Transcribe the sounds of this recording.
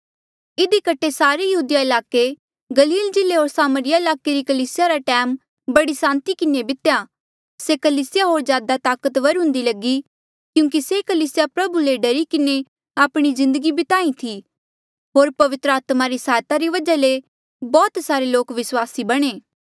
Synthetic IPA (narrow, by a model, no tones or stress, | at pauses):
ɪd̪ikɐʈʰesaːɾejɐɦuːd̪jaɪlaːke | ɡɐliːld͡ʒɪleɦoːɾsaːməɾɪjaɪlaːkeɾikɐliːsɪjaɾaʈɛːm | bɐɽisãːnt̪ikɪnebɪt̪ja | sekɐliːsɪjaɦoːɾzjaːd̪at̪aːkət̪ʋɐɾʊ̃ːnd̪ilɐɡi | kjũːŋk̬isekɐliːsjapɾɐbuleɖɐɾikɪne | aːpɽ̃izɪ̃nd̪əɡibɪt̪aːĩt̪ʰi | ɦoːɾpɐʋɪt̪ɾəaːt̪maɾisaːjt̪aɾiʋɐd͡ʒale | bɔːt̪saːɾeloːkʋɪswaːsibɐɽ̃eː